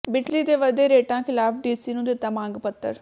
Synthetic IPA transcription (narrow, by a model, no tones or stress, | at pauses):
bɪt͡ʃliːt̪eːʋəd̪eːɾeːʈãːkʰɪlaːfɖiːsiːnũːd̪et̪ːamãːŋɡpət̪ːəɾ